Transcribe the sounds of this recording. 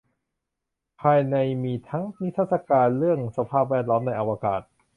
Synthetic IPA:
pʰaː˧jna˧jmiː˧t̪ʰa˦˥ŋni˦˥t̪ʰːa˥t̪sa˧kaː˧nɾɯ˥˩əŋsa˧pʰaː˥˩p̬̚wɛː˥˩t̪̚lɔː˦˥mna˧jʔa˧wa˧ka̰ː˨˩t̪̚

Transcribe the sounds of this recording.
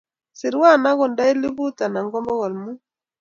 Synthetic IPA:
si˨ɾwa˦˨na˦ɣɔ˨nda˦i˦li˦βu˦ta˨na˨ŋɡɔ˦mbɔ˦ɣɔ˨lmu˦

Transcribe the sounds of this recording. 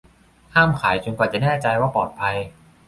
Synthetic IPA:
kʰaː˥˩mkʰaː˩˦jt͡ɕo˧nkwaː˨˩t͡ɕa˨˩nɛː˥˩t͡ɕa˧jwaː˥˩pɔː˨˩t̪̚pʰa˧j

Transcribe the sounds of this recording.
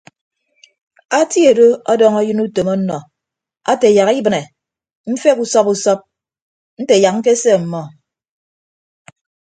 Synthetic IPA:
a˦ti˦e˨do˦ɔ˦dɔ˦ŋɔ˦jɨ˦nu˦to˨mɔ˦nɔ˨ | a˦te˨ja˨ki˦bɨ˨ne˨ | m̩˦fe˦ku˦sɔ˦pu˨sɔ˦p̚ | n̩˦te˨ja˨k̚ŋ̩˦ke˦se˦˨m̩˨mɔ˦

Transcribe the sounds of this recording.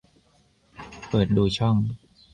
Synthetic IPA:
pɤː˨˩t̪̚duː˧t͡ɕʰɔ˥˩ŋ

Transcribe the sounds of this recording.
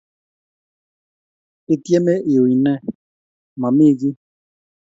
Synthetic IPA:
e˦˨tje˦me˦ʔe˨wi˨nɛ˦˨ | ma˨mi˦˨ɡi˦

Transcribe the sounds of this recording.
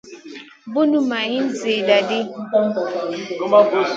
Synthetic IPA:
bʊ˦nu˦ma˨ɣɪ˦n̩˦zi˨da˨dɪ˦˨˦

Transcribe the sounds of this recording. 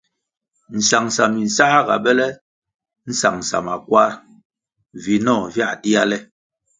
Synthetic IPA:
n̩˨sa˨ŋsa˨mi˨n̩˨sa˦ha˦ɡa˨bɛ˦lɛ˦ | n̩˦sa̰˨ŋsa̰˨ma˨kwa˦ɾ | vi˨nɔ˦˨vja˦˨di˦a˦lɛ˦

